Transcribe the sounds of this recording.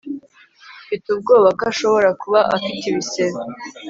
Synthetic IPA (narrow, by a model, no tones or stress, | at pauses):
fitub̚ɡo̞ːβakaʃo̞βo̞ɾakuβaʔafitiβiseɾo